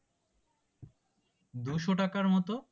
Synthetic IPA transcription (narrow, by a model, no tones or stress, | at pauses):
d̪uʃoʈakaɾmɔt̪o